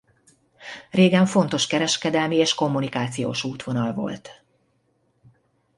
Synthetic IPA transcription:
reːɡɛɱfo̞nt̪o̞ʃkɛɾɛʃkɛd̪ɛlmieːʃko̞mːunikaːt̪sijo̰ːʃuːt̪ʋo̞nɒlvo̰lt̪

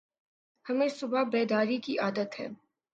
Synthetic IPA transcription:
həmɛɾsubɑbɛd̪ɑɾit̪ʼiʔɑd̪ət̪ʰɛ̰m

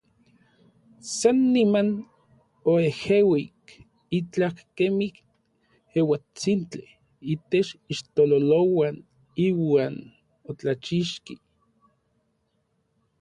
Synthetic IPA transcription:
sanːiman | oehewik | it͡ɬakkemik | hewat͡sint͡ɬi | it̪et͡ʃiʃt̪ololowan | iwaːn | ot͡ɬat͡ʃiʃki

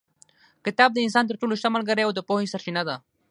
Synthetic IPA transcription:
kɪt̪ɑːb̚d̪əɪnsɑːnt̪̬əɾʈoloʃt̪amalɡəɾeawd̪əpohisaɾt͡ʃinad̪a

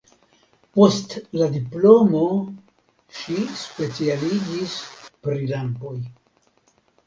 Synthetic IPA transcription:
po̞stladiplo̞mo | ʃispe̞t͡sialid͡ʒispɾilampo̞j

